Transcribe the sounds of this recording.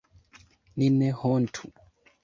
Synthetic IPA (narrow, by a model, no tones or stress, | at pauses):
ninɛhɔntʰu